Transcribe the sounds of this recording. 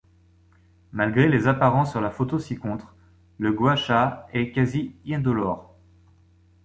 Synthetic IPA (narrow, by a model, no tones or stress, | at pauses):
malɡʁelezapaʁɑ̃sːyʁlafot̪osikɔ̃t̪χ | ləɡwaʃaɛkaziɛ̃d̪ɔlɔʁ